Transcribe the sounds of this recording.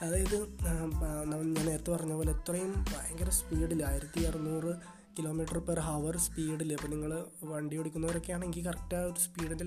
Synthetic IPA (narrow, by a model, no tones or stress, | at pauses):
ɐðaːjɐðɨ | nɐmːɐɭɲaːne̞ːɾɐt̪ːɨpɐrɐɲːɐpoːleet̪ːrɐjumɐjɐŋɡɐɾɐspiːɽilːaːjiɾɐt̪ːiɐrɨnuːrɨ | kilo̞ːmiːʈːɐrperɦɐʋɐrspiːɽilːɐipːoːniŋːɐɭʋɐɳɖioɽikʲːunːɐʋɐɾo̞kːejaːɳeŋiɡilkɐrɐkʈːaoɾuspiːɽinde